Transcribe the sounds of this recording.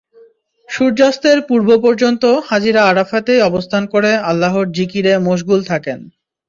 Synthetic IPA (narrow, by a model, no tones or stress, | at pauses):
ʃuɾd͡ʑast̪eɾpuɾbopɔɾd͡ʑont̪ohad͡ʑiɾaaɾafat̪ejɔbost̪ʰankoɾealːaɦoɾd͡ʑikiɾemoʃɡult̪ʰaken